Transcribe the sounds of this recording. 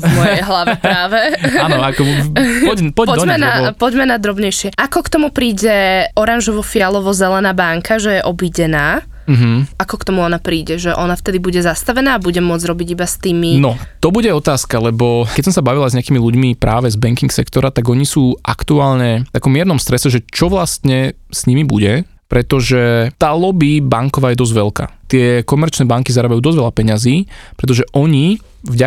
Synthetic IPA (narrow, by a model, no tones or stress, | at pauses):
mɔjjɛɛjɦlaʋɛpɾaːʋɛanɔakkɔpɔɟpɔpɔmɛnapɔɟmɛnad̪ɾɔbɲɛjʃɪɛakɔkt̪ɔmupɾiːɟɛɔɾanʒɔʋɔfialɔʋɔzɛlɛnaːbaŋkʰaʒɛjɛʔɔbiɟɛnaː | m̩ɦm̩ʔakɔkt̪ɔmuɔnapɾiːɟɛʒɛʔɔnaft̪ɛd̪ibuɟɛzast̪aʋɛnaːbuɟɛmʊɔd͡zɾɔbiɟibast̪iːminɔt̪ɔbuɟɛɔt̪aːskalɛbɔkɛcsɔ̃msabaʋilazɲɛakiːmiluɟmipɾaːʋɛzbɛŋkiŋksɛkt̪ɔɾat̪aɡɔɲisuːʔa̰kt̪uaːlɲɛt̪akɔmːɪɛɾnɔmst̪ɾɛsɛʒɛt͡ʃɔʋlast̪ɲɛ | sɲimibṵɟɛ | pɾɛt̪ɔʒɛt̪aːlɔbibaŋkɔʋaːjɛd̪ɔzɟʋɛlka̰ːt̪ɪɛkɔmɛɾt͡ʃnɛːbaŋkizaɾaːbajuːd̪ɔzʋɛʎapɛɲaziːpɾɛt̪ɔʒɛʔɔɲi | vɟa